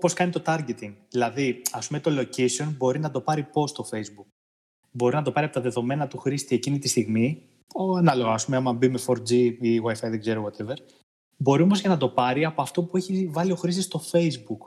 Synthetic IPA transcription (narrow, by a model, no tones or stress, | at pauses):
po̞skɐnit̪o̞t̪ɐɾʝe̞t̪iŋɡðilɐðiɐspumet̪o̞lo̞cesio̞nbo̞ɾinɐt̪o̞pɐɾipo̞st̪o̞fe̞jzbuk | bo̞ɾinɐt̪o̞pɐɾiɐpot̪ɐðe̞ðo̞me̞nɐt̪uxɾist̪ie̞cinit̪ist̪iɣmi | oɐnɐlo̞ɣɐɐspumeɐmɐbimefoɾd͡ziiwɐjfɐjðeɡzeɾowot̪e̞veɾ | bo̞ɾiomo̞zʝɐnɐt̪o̞pɐɾiɐpo̞ɐft̪o̞pueçivɐlio̞xɾist̪ist̪o̞fe̞jzbuk